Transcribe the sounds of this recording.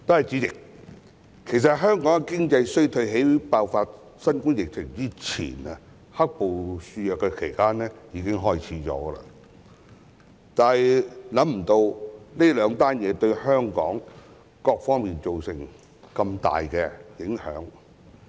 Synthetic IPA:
t̪o˥hɐ˨jt͡siː˨˥t͡sɪ˨k̚ʰ | e˨˩js̬ɐ˨t̚ɦœː˥ŋkɔː˨˥ŋkɛ˨˧kɪ˥ŋt͡sɐ˧jsɵ˥jt̪ʰɵ˧ɥɦe˨˥jpaː˧wfaː˧t̚ | sɐ˥nkʊ˥ŋjɪ˨k̚t͡sʰɪ˨˩ŋt͡siː˥t͡sʰḭː˨˩nɐ˧ | hɐ˥k̚po˨wsyː˧jœː˨kːɛ˧kʰe˨˩jkaː˥nɛː˥jiː˨˧˥kɪ˥ŋɦɔː˥jt͡sʰiː˨˥t͡ʃɔ̰ː˨˥ɡə˧lɐ̰˧ | t̪aː˨˩hɛ˨jlɐ˨˥mm̩˨˩t̪o˧wle˥lœː˨˧ŋt̪aː˥njɛː˨˧t̪ɵ˧ɥɦœː˥ŋkɔ̰ː˨˥ŋ | kɔː˧k̚fɔː˥ŋmiː˨nt͡ʃo˨wsɪ˨˩ŋ | kɐ˧mt̪a̰ː˨jkɛː˧jɪ˨˥ŋhœ̰ː˨˥ŋ

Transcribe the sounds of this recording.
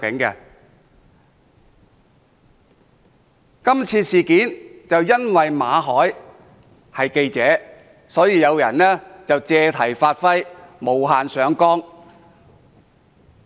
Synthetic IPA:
kɪ˨˥ŋkɛː˧ | kɐ˥mt͡sʰiː˧siː˨kiː˨˥nt͡sɐ˨wjɐ˥nwɐ˨jmaː˨˧ɦɔː˨˥j | hɐ˨jke˧jt͡sɛː˨˥ | sɔː˨˥jiː˨˧jɐ˨˧wjɐ̰˨˩nlɛː˥t͡sɐ˨wt͡sɛː˧t̪ʰɐ˨˩jfaː˧t̚fɐ˥jmo˨˧wɦaː˨nsœː˨˥ŋkɔː˥ŋ

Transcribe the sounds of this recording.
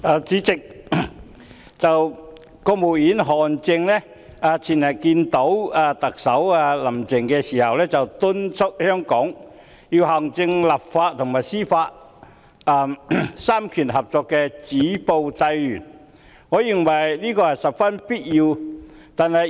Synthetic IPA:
aː˨˧t͡siː˨˧˥t͡sɪ˨k̚ | t͡sɐ˨w | kɔː˧muː˨˩wjiː˨˥nɦɔː˨˩nt͡sɪ˧ŋlɛ˥ | aː˨˧t͡sʰiː˨˩nɐ˨˩jkiː˧nt̪o˨˥waː˨˧t̪ɐ˨k̚sɐ˨˥wa˧lɐ˨˩mt͡sɪ˨˩ŋkɛː˧siː˨˩hɐ˨wlɛː˥t͡sɐ˨wt̪ʊ˥nt͡sʰʊ˥k̚hœː˥ŋkɔː˨˥ŋ | ji˧wɦɐ˨˩ŋt͡sɪ˧ŋlɐ˨˩p̚faː˧t̚t̪ʰʊ˨˩ŋmaː˨˩jsiː˥faː˧t̚ | a˧saː˥mkʰyː˨˩nɦɐ˨p̚t͡sɔː˧kːɛː˧t͡siː˨˥po˧wt͡sɐ˧jlyː˨˩n | ŋɔː˨˧ji˨˩ŋwɐ˨˩jliː˥kɔː˧hɐ˨jsɐ˨p̚fɐ˥npiː˥t̚jiː˧wt̪aː˨nhɐ˨j

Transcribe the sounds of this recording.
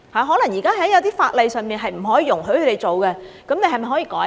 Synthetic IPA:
haː˨˧ɦɔː˨˥lɐ˨˩ŋjiː˨˩kaː˥hɐ˨˥jɐ˨˧wt̪iː˥faː˧t̚le˨˧jsœː˨ŋmiː˨nɦɐ˨jm̩˨˩ɦɔː˨˥jiː˧jʊ˨˩ŋɦɵ˧˥ɥkʰɵ˨˧te˨˩jt͡so˨wkɛ˧ | kɐ˨˥mne˨˧jɦɐ˨jmɐ˨jɦɔ˨˥jiː˧kɔː˨˥

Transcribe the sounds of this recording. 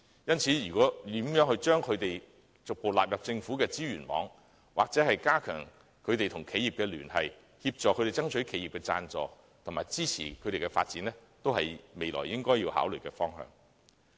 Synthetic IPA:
jɐ˥nt͡sʰiː˨˥ɥyː˨˩kɔː˨˥t̪iː˨˥mjœː˨˥ŋhɵ˧ɥt͡ʃœː˥ŋkʰɵ˨˧ɥt̪e˨j | t͡sʊ˨k̚po˨wlaː˨p̚jɐ˨p̚t͡sɪ˧ŋfuː˨˥kɛː˧t͡siː˥ɥyː˨˩nmɔ̰ː˨˥ŋ | wʔa̰ː˨k̚t͡sɛː˨˥hɐ˨jkaː˥kʰœː˨˩ŋ | kʰɵ˨˧ɥt̪e˨jt̪ʰʊ˨˩ŋkʰe˨˥ji˨p̚kɛː˧lyː˨˩nhɐ˨j | hiː˧p̚t͡sɔː˨kʰɵ˨˧ɥɾe˨jt͡sɐ˥ŋt͡sʰɵ˨˥ɥkʰe˨˧˥ji˨p̚kɛː˧t͡sa̰ː˧nt͡sɔ̰ː˨ | t̪ʰʊ˨˩ŋmaː˨˩jt͡siː˥t͡sʰḭː˨˩kʰɵ˨˧t̪e˨jkɛ˧fa̰ː˧t̚t͡siː˨˥nɛ˥t̪o˥whɐ̰˨jme˨jlɔ̰ː˨˩jːɪ˥ŋkɔː˥jːiː˧wha̰ː˨˥wlɵ˨t̚kɛː˧fɔː˥ŋɦœ̰ː˨ŋ

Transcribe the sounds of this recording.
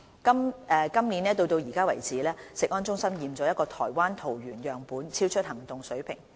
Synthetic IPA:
kɐ˥mʔɛː˨˧kɐ˥mni˨˥nɛː˥t̪o˧wt̪o˧wjiː˨˩kaː˥wɐ˨˩jt͡siː˨˦lɛː˥sɪ˨k̚ʔɔː˥nt͡ʃʊ˥ŋsɐ˥mjiː˨mt͡sɔː˨˥jɐ˥tkɔː˧t̪ʰɔ̰ː˨˩jwaː˥nt̪ʰo˨˩wɥyː˨˩njœː˨˩ŋpuː˨˥nt͡sʰiː˥wt͡ʃʰɵ˥t̚hɐ˨˩ŋt̪ʊ˨ŋsɵ˨˥ɥpʰɪ̰˨˩ŋ

